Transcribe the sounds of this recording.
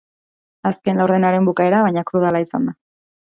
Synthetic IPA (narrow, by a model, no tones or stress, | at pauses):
aske̞nlawɾðe̞naɾe̞mbukae̞ɾaβ̞ajɲakɾuð̞alaisand̪a